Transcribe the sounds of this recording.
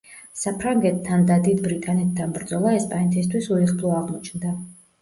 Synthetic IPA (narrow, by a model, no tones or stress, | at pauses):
sapʰɾaŋɡɛt̪ʰːand̪ad̪id̪bɾit̪ʼanɛt̪̚ʰd̪anbɾd̪zɔlˠaɛspʼanɛt̪ʰist̪ʰwisuɾiχbʰlˠɔaʁmɔt͡ʃʰnd̪a